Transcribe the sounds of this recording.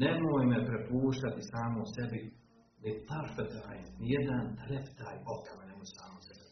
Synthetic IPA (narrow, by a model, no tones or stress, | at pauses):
nemoːjmepɾepuːʃt̪at̪isaːmosebi | nit̪aɾfet̪ɾaːjnnijed̪ant̪ɾept̪aːjokamanemod͡ʒsaːmosebɛ